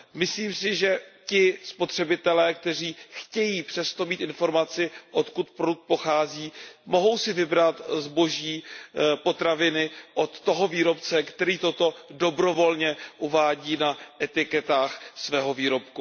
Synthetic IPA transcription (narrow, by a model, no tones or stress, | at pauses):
mɪsliːmsɪʒɛcɪspo̞t̪r̝̥ɛbɪt̪ɛlɛːk̚t̪ɛr̝iːxcɛjiːpr̝̥ɛst̪omiːt̪ɪnfo̞ɾmat͡sɪʔot̪kut̪̚pɾoduk̚t̪̚po̞xaːziːmo̞ɦo̞wsɪvɪbɾat̪zbo̞ʒiːpo̞t̪ɾavɪnɪʔot̪ːo̞ɦoviːɾo̞pt͡sɛkt̪ɛɾiːt̪o̞t̪o̞do̞bɾo̞vo̞lɲɛʔuvaːɟiːnaʔɛt̪ɪkɛt̪aːxsvɛːɦo̞viːɾo̞p̚ku